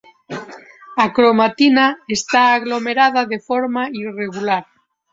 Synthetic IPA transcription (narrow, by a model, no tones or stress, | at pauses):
akɾomat̪inaest̪aːɣlomeɾaðaðefoɾmaireɣulaɾ